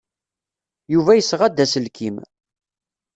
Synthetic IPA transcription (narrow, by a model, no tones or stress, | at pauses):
juvæjəsːʁad̪ːæsəlkʰim